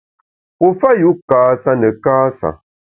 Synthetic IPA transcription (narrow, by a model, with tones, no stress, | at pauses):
pɔ˨fa˦ju˨˦kaː˨sa˦nə˨kaː˦sa̰˨